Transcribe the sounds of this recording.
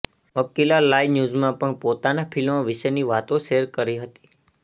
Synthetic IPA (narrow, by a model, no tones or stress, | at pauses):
məkilalajnjuzmãpəɳpot̪anafʰilmãʋɪʃəniʋat̪õʃeɾkəɾiɦət̪i̥